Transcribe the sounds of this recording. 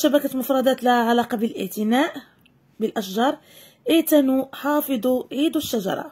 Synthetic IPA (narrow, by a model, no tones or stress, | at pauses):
ʃæbækæt̪lmʊfɾˤɑd̪æt̪læʕalɑqɑbəlʔə̰ʕt̪ənæʔ | bəlʔæʃʒɑɾˤ | ʔit̪ænuħɑfɨd̪ˤuʕid̪uʃːaʒɑ̰ɾˤɑ̰